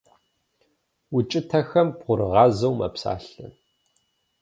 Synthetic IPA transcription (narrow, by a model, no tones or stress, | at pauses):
ʊt͡ʃʼɪtʰɐxɐmb̥ʁʷʊɾɨʁɑːzɐwmɐ̰psa̰ːɬɨ̰n